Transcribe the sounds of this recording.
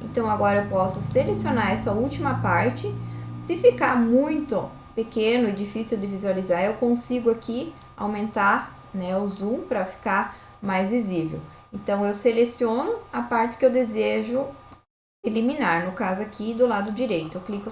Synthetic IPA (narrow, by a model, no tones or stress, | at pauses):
ḛ̃nt̪ɐ̃w̃aɡɔɾɐewpɔsʊselesionaɾɛsɐuwt͡ʃimɐpaɾt͡ʃɪsɪfikaɾmũj̃t̪ʊ | pekẽnʊɪd͡ʒifisiwd̪ɪvizualizaɾewkõsiɡʊaki | a̰wmẽnt̪aɾ | nɛʊzũpɾɐfi̥kaɾmajzvizivḛwẽnt̪ɐ̃w̃ewselesiõnʊapaɾt̪ɪ̥kɪewd̪ezeʒʊ | eliminaɾnʊkazʊakʰid̪ʊlad̪ʊd͡ʒiɾejt̪ʊewklikʊ